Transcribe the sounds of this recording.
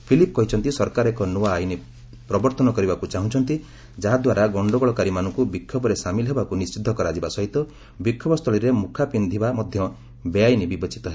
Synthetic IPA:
pʰilipɔkɔɦit͡ʃʰɔnt̪isɔɾkaɾɔekɔnuaːini | pɾɔbɔɾt̪ɔnɔkɔɾibakut͡ʃaɦũt͡ʃʰɔnt̪i | d͡ʒaɦad̪waɾaɡɔɳɖɔɡɔɭɔkaɾimanɔ̃ŋkubikʰːɔbɔɾesamilɔɦebakunist͡ʃid̪ʱːɔkɔɾad͡ʒibasɔɦit̪ɔ | bikʰːɔbɔst̪ʰɔɭiɾemukʰapind̪ʱibamɔd̪ʱjɔ | beajnibibɔt͡ʃi̥t̪ɔɦe

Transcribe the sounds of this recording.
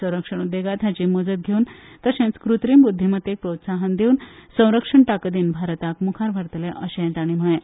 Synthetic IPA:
ə̃w̃ɾəkʂəɽ̃ud̪ːjeɡat̪jat͡ɕimod͡zət̪̚ɡʱeuːnt̪əɕẽnt͡skɾut̪ɾimbud̪ʱːimət̪ːek̚pɾot̪saɦənd̪ʱeuːnsə̃w̃ɾəkʂəɳʈakəd̪iːnbʱaɾət̪akmukʰaɾbʱəɾt̪əleʔəɕẽnt̪aɽ̃im̤əɭẽ

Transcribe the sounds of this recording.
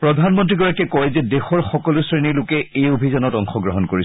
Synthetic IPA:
pɹɔdʱanmɔntɹiɡɔɹakɛkɔjzɛdexɔɹxɔkɔlʊsɹenilʊkɛejobʱizanɔtɔŋxɔɡɹɔɦɔnkoɹis

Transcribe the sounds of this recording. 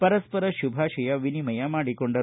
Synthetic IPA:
pɐɾɐspɐɾɐʃubʱaːʃɐjɐʋinimɐjɐmaːɽikoɳɖɐ

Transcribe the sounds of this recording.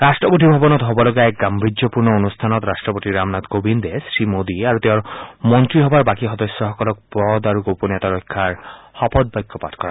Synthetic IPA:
ɾasʈɾɔpoʈ̪ibʱabɔnɔt̪ɦɔbɔlɔɡaɛk̚ɡambɾiopuɾnɔonust̪ʰanɔt̪ɾasʈɾɔpoʈ̪iɾamnat̪ɡobind̪esɾimod̪iaɾut̪eɔɾmɔnt̪ɾiɦɔbaɾbakiɦɔd̪ɔsːɔɦɔkɔlɔk̚pɔd̪aɾuɡoponɛt̪aɾɔjkʰːaɾhɔpɔd̪̚bajkʰːɔpat̪kɔɾa̰

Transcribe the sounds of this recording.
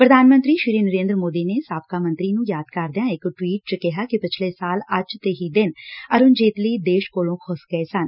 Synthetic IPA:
pɾəd̪ʱaːnmə̃nt̪ɾiːʃɪɾiːnəɾẽːnd̪ɾəmoːd̪iːneːsaːp̚kaːmə̃nt̪ɾiːnũːjaːd̪kəɾd̪ɪjãːɪkʈwiːʈ̚t͡ʃkɪɦaːkipɪt͡ʃʰleːsaːləd͡ʒt̪eːɦiːd̪ɪnəɾʊnd͡ʒeːt̪liːd̪eːʃkoːlõːkʰʊsɡəesən

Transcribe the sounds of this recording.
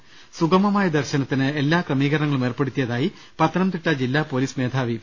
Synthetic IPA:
suɡɐmɐmaːjɐd̪ɐrɕɐnɐt̪ːinɨe̞lːaːkrɐmiːɣɐɾnɐŋːɐɭumeːrpe̞ɽut̪ːijɐðaːji | pɐt̪ːɐnɐmt̪iʈːɐd͡ʑilːaːpo̞ːliːsme̞ːd̪ʱʰaːʋi

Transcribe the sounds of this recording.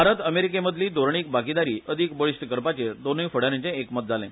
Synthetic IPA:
aɾət̪əmeɾikeməd̪ʱliːd̪ʱoɾɳiːk̚baɡid̪aɾiːʔəd̪ʱikbəɭiɕʈəkəɾpat͡ɕed̪onifəɽ̤aɾẽt͡ɕẽːkmət̪̚d͡zalḛ̃

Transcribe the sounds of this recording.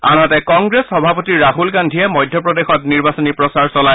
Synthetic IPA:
a̰natɛkɔŋɡɹesxɔbʱapotiɹːaɦulɡandʱiɛmɔjdʱjɔpɹɔdexɔtniɹbasɔnipɹɔsaɹsɔlaj

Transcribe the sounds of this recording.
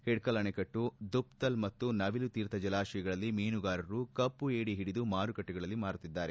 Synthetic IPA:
hiɽkɐlɐɳekɐʈːud̪upt̪ɐlmɐt̪ːunɐʋilut̪iːɾt̪ɐd͡ʒɐlaːʃɐjɐɡɐɭɐlːimeːnuɡaːɾɐɾukɐpːueːɽiɦiɽid̪umaːɾukɐʈːuɡɐɭɐlːimaːɾut̪ːid̪ːaːɾe

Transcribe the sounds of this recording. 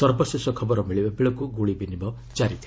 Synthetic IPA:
sɔɾbɔsesɔkʰɔbɔɾɔmiɭibebiɭɔkuɡuɭibinibɔ | d͡ʒaɾit̪ʰi

